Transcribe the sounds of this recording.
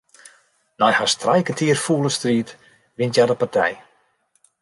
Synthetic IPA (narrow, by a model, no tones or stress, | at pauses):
nɔjhastrajkətʰiːərfuːləstriːt | ʋɪntjadəpartʰɛ̰j